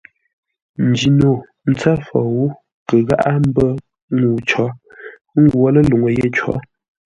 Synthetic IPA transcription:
n̩˨˦d͡ʒi˨no˨ | n̩˦t͡sa˦fɔ˨wu˦ | kə˨ɣa̰˦ʔa˦m̩˦bə˦ | ŋu˨t͡ʃɔ˨˦ | ŋ̩˦ɡwɔ˦lə˦lu˨ŋə˨je˦˨t͡ʃɔ̰˨˦

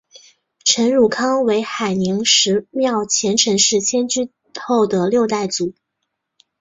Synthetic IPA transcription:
ʈ͡ʂʰə˧˥nɻu˨˩kʰɑ˥ŋwe˧˥ɪxa˨˩ɪni˧˥ŋʂɻ̩˧˥mjɑ˥˩ʊt͡ɕʰjɛ˧˥nʈ͡ʂʰɤ˧˥ŋʂɻ̩˥˩t͡ɕʰjɛ˥nt͡ɕy˥ | xo˥˩ʊd̪ə˩ljo˥˧ʊt̪a˥˩ɪt͡su˨˩˦

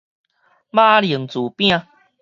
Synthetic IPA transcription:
ma˦li˨˩ŋt͡su˨˩pj̃ã˧

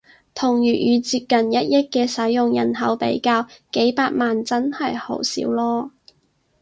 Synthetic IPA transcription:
t̪ʰʊ˨˩ŋjyː˨˩jyː˨˧t͡siː˧p̚kɐ˨njɐ˥t̚jɪ˥k̚kːɛː˧sɐ˨˥jːʊ˨ŋjɐ˨˩nɦɐ˨˥wpḛ˨˥jkaː˧wke˨˥jpaː˧t̚maː˨nt͡sɐ˥nhɐ˨jho̰˨˥wsḭː˨˥wlɔː˥

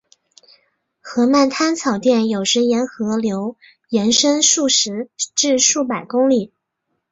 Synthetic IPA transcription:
xɤ˧˥ma˥˩nt̪ʰa˥nt͡sʰɑ˨˩ʊt̪jɛ˥˩njo˨˩ʊʂɻə˧˥jɛ˧˥nxɤ˧˥ljo˧˥ʊ | jɛ˧˥nʂə˥nʂu˥˩ʂɻ̩˧˥ʈ͡ʂɻ̩˥˧ʂu˥˩p̬a˨˩ɪkʊ˥ŋli˨˩˦

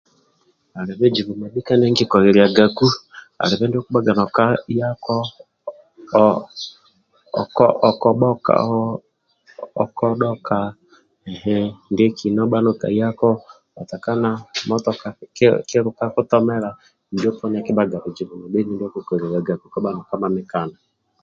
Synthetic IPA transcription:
a˨ɾe˨βe˦d͡ʒi˨βu˨ma˨bi˦ka˦nɛ˦ŋɡi˦kɔ˨ɾe˨ɾi˨a˨ɡa˨ku˦ | a̰˨ɾe˨βɛ˦nde˦ɔ˦ku˦ba˦ɡa˨nɔ˨ka˦ja˦kɔ˦˨ | kɔʔɔ˨kɔ˨ɓɔ˦ka̰˨ | kɔ˦ɗɔ˦kʰa˨ | ɛ˨hɛ˦ndɛ˦kʰi˨nɔ˦ɓa˦no˨ka̰˨i˦a˦kɔ˦ | a˨ta˨ka˦na˦mɔ˦tɔ˨ka˨kke˦ɾo˨ka˦ko˦tɔ˦mɛ˦ɾa˨ | ndi˦ɔ˦pɔ˦n˦a˨ke˦ba˦ɡa˨ɾo˨d͡ʒi˨βu˨mo˨be˦ni˦ndɔ˦ko˦kɔ˨ɾe˨ɾa˨ɡa˨ku˨˦kɔ˦ba˦nɔ˨ka˦ma˨mɪ˦ka˨na˨

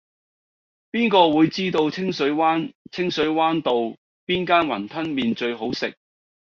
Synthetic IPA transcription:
piː˥nkɔː˧wuː˨˧jt͡siː˥t̪o˧wt͡sʰɪ˥ŋsɵ˨˥ɥwaː˥nt͡sʰɪ˥ŋsɵ˨˥ɥwaː˥nt̪o˨w | piː˥nkaː˥nwɐ˨˩nt̪ʰɐ˥nmiː˨nt͡ʃɵ˧ɥɦo˨˥wsɪ̰˨k̚

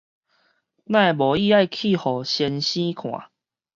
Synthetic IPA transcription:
nã˥˧˨bɔ˨i˥˧a˥˧˨jkʰi˥˨hɔ˨˩ɕjɛ˧nɕĩ˦kʰw̃ã̰˨˦

